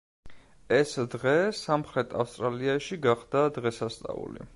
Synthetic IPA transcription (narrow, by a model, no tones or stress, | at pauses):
ɛsd̪ʁɛsamχɾɛt̪ʰafst̪ʼɾaliaʃiɡaχd̪ad̪ʁɛsast̪sʼa̰ṵlḭ